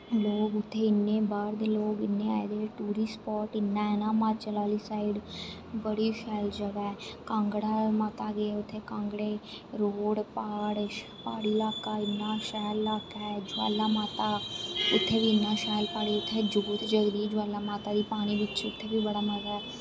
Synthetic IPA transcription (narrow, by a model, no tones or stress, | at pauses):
loːɡʊt̪ʰːeːɪnːeːbaːɾd̪eːloːɡɪnːẽːa̰ːed̪eːʈuːɾiːspɔːʈɪnːãːeːnãːmãːt͡ʃəlaːliːsaːɪɖ | bəɽiːʃɛːld͡ʒəʋɛːkãːŋɡɽaːmaːt̪aːɡeeːʊt̪ʰːeːkãːŋɡɽeː | ɾoːɽpaːɽ | paːɽiːlaːkːaːɪnːãːʃɛːlːaːkːɛːd͡ʒʊɛ̰ːlaːmaːt̪aːʊt̪ʰːeːʋiːɪnːãːʃɛːlpaːɽeːʊt̪ʰːeːd͡ʒoːt̪d͡ʒəɡd̪id͡ʒʊɛːlːaːmaːt̪aːd̪iːpaːniːʋɪt͡ʃʊt̪ʰːeːʋiːbəɽaːməzɛː